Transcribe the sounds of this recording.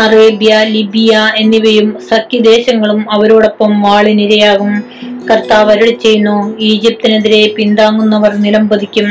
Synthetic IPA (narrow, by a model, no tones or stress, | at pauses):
ɐreːbjɐlibijɐe̞nːiʋɐjumsɐkːid̪e̞ːɕɐŋːɐɭumɐʋɐɾoːɽo̞pːɐmʋaːɭiniɾɐjaːɣum | kɐrt̪aːʋɐɾuɽt͡ɕːe̞jːunːuiːd͡ʑip̚t̪ineðiɾe̞pind̪aːŋːunːɐʋɐrniɾɐmbɐd̪ikʲːum